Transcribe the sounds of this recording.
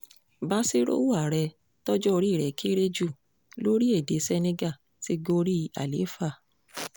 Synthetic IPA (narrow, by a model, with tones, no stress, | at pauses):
ba˦si˦ɾo̰˦wu˦a˨ɾɛ˧ | tɔ˦d͡ʒɔ˦o˧ɾi˦˨ɾɛ˨ke˦ɾe˦d͡ʒu˦˨ | lo˦ɾi˦e˦˨de˨˦sɛ˧nẽ˧ɡa˦˨ | si˧ɡo˧ɾi˦a̰˨lḛ˨˦fa˦˨